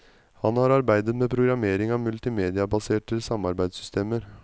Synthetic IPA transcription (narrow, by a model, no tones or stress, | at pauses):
hɑnhɑɾɑɾbæɪd̪ət̪mɛːpʰɾʊɡɾɑmeːɾɪŋɑʋmʉlt̪ɪmeːd̪ɪɑbɑseːʈəsɑmɑɾbæɪd̪sʏst̪ʰeːməɾ